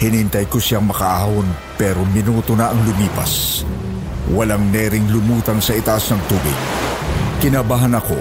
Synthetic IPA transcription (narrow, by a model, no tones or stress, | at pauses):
hɪnhɪnt̪ajkosɪaŋmɐkɐʔaːwon | pɛːɾo̞mɪnuːt̪onɐʔɐŋlʊmiːpɐ̰s | wɐlaŋnɛːɾɪŋlʊmuːt̪ɐŋsɐʔɪt̪ɐʔasnɐŋt̪uːbɪ̰ɡ̚kɪnɐbaɦanɐko̞̰